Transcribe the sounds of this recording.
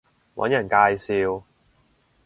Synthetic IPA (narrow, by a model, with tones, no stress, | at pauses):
wɐ̰˨˥njɐ˨˩nkaː˧jsiː˧w